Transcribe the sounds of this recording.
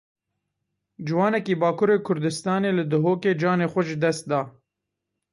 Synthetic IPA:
d͡ʒɨwɑːnɛkiːbɑːkʰʊɾeːkʰʊɾd̪ɨst̪ɑːneːlɨd̪ɨɦoːkeːd͡ʒɑːneːxʷɐʒɨd̪ɛst̪̚d̪ɑː

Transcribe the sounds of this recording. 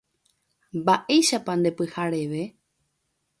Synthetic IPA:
mbaʔe̞jʃapand̪e̞pɨhaɾe̞ʋe̞

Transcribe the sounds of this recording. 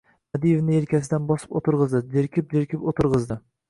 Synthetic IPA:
mad̪ijevnɪeɾkʲasɪd̪anbɒsɪ̥pot̪ɨɾʁɨzd̪ɪd͡ʒeɾkʲɪp̚d͡ʒ̪ɪɾkʲʰɪpot̪ʰɨɾʁɨzd̪ɪ

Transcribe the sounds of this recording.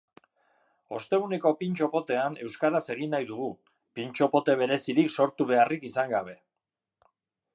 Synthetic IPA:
o̞st̪e̞ɣuneko̞pint͡ʃo̞po̞t̪e̞ane̞wskaɾase̞ɣ̞inajðuɣ̞u | pint͡ʃo̞po̞t̪e̞β̞e̞ɾe̞siɾikso̞ɾt̪uβe̞arikisaŋɡaβ̞e̞

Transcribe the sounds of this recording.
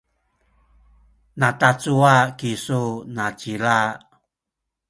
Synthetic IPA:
natat͡suakisunat͡ɕila

